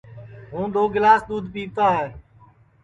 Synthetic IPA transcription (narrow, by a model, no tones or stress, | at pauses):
ɦũːd̪ʱoːɡɪlaːsd̪uːd̪ʱpiːt̪aːɦɛː